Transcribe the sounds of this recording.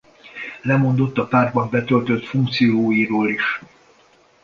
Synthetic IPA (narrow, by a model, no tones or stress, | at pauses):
lɛmo̞nd̪o̞t̪ːɒpaːrd̪̚bɒmbɛt̪ølt̪ø̞t̪fuŋkt̪sijoːjiɾoːliʃ